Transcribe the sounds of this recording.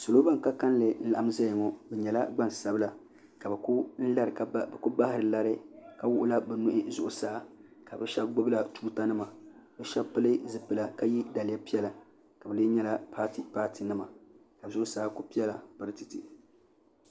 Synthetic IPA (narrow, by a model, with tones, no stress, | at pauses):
sʊ˨lo˦ba˦ŋ˨ka˦ka˦n˦lɨ˨n̩˦la˨ʔa˦m˦za˦jŋɔ˦bɛ˨ɲɛ˨la˦ɡ͡ba˦˨n˨sa˦bɨ˦la˨ | ka˨bkʊ˦n̩˦la˦ɾɨ˨kbɛ˨kʊ˦ba˦hɪ˦ɾɨ˨la˦ɾɨ˦ka˦wʊ˦ʔʊ˦la˦bɛ˨nʊ˦ʔɪ˦zʊ˨ʔʊ˨saː˦ka˨bɛ˦ʃɛ˦b̚ɡ͡bʊ˦bla˨tuː˦ta˦nɨ˦ma˨bɛ˦ʃɛ˦bpɨ˦lɨ˦zɨ˦pɨ˨la˨ka˦ji˦da˨lɪ˨˦ja˦pi˦ɛ˦la˨ | ka˨bɨ˨le˦ɲɛ˦la˦pʰa˦ti˨paː˦ti˨nɨ˦ma˨ | ka˨bzʊ˦ʔʊ˦saː˦kʊ˦pi˦ɛ˦la˨pɨ˦ɾɨ˦tɨ˨ti˨